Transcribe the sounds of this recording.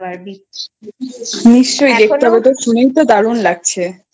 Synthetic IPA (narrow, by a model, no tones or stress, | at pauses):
niʃːojd̪ek̚t̪abɔt̪oʃunojt̪od̪aɽunlaɡ̚t͡ɕʰe